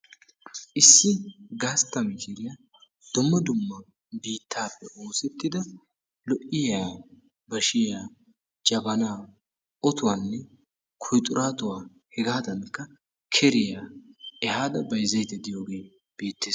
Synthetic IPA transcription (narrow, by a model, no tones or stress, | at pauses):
ʔɪsːɪɡaːst̪ːɐmɪkɪɾɪja | d̪̥ʊmːɐd̪ʊmːɐ | biːt̪ʰːaːpːɛʔo̞ːsɛt̪ːɪd̪ɐ | lɔʔɪjaː | bɐʃɪjaː | d͡ʒɐbɐnaː | ɔt̪ʊwaːnːɛ | kʰʊjt̪ʼʊɾaːt̪ʊwaː | hɛɡaːd̪ɐnkːɐ | kʰɛɾɪjaːɛhaːd̪ɐbɐjzɐjt̪ɛd̪ɪjo̞ːɡe̞ː | b̥iːt̪ːeːs